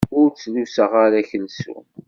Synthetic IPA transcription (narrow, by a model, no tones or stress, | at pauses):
ʊɾt͡sːlusəʁaɾæçəlsṵ